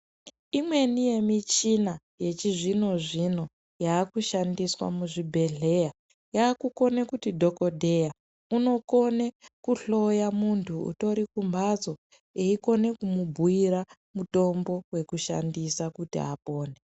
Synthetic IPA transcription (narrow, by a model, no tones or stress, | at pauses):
imwe̞nije̞mit͡ʃina | je̞t͡ʃiʐino̞ʐino̞ | jaːkuʃandiswa̰muʐibʱe̞ɮe̞ja | jaːkuko̞nekutidʱo̞ko̞dʱe̞ja | uno̞ko̞nekuɬo̞jamuntʰuṵto̞ɾikumbʱazo̞ | eiko̞ne̞kumubʱuiɾa | muto̞mbo̞we̞kuʃa̰ndisakutḭa̰po̞ːne